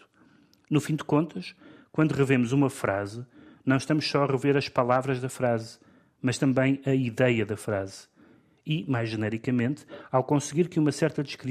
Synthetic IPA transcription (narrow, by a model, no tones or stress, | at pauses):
nufĩd̪ɨkõnt̪ɐʃkwɐ̃nd̪uʁɨvemuzumɐfɾazɨnɐ̃w̃ʃt̪ɐmuʃsɔɐʁɨveɾɐʃpɐlˠavɾɐʒðɐfɾaz | mɐʃt̪ɐ̃mbɐ̃j̃ɐiðɛjɐðɐfɾaz | imajʒːɨnɛɾikɐmẽnt̪awkõsɣiɾkɨumɐsɛɾt̪ɐðɨʃkɾi